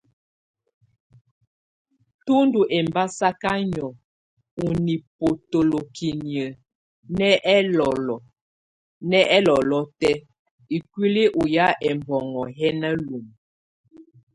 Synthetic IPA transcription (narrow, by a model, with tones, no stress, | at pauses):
tu˦ndu˨ʔɛ˨mba˦sa˦ka˦ɲɔ˨ | u˨ni˨po˨to˨lo˨ki˨njə˨ | nɛ˦ʔɛ˦lɔ˨lɔ˨ | nɛ˦ɛ˦lɔ˨lɔ˦tɛ˦ | i˨kwi˦li˦ʔu˨ja˦ʔɛ˨mbɔ˨ŋɔ˨ɦɛ˦na˦lu˨m